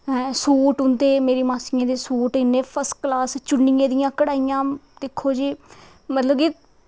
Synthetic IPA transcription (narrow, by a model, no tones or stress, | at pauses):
suːʈʊnd̪eːmeːɾiːmaːsɪjãːd̪eːsuːʈɪnːeːpʰəɾsʈklaːst͡ʃʊɳːijãːd̪ɪjãːkəɽaːijãːd̪eːkʰːoːd͡ʒiː | mət̪ləbki